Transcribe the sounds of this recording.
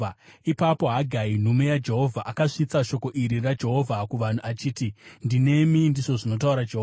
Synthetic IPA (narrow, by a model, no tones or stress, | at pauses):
ipapo̞ɦaɡʱain̤ume̞jad͡ʒe̞ɦo̞vʱaʔakaʂit͡saʃo̞ko̞ʔiɾirad͡ʒe̞ɦo̞vʱakuʋan̤uʔat͡ʃiːtindine̞mindiʐo̞ʐino̞t̬auɾad͡ʒeɦo